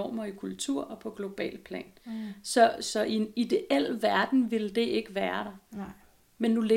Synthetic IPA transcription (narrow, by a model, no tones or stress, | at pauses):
ɒ̰ːmɐikʰult͡sʰuɐ̰ɒ̽pʰɒ̽ɡ̥lo̝b̥ɛ̰ːlpʰlɛ̰ːnsɒ̽sɒ̽ʔienid̥e̝ʔel̰ʋæɐd̥n̩ʋe̝ld̥e̝e̝ɡ̥əʋæːɐɾ̥ɑ̈ | menːule